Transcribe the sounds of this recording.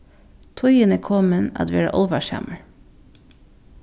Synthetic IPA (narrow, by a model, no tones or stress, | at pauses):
t̪ʰɔʏənəkʰɔmənɑ̰d̪ʋeːɽə̰ʔɔlʋɑʃæ̰mʔəl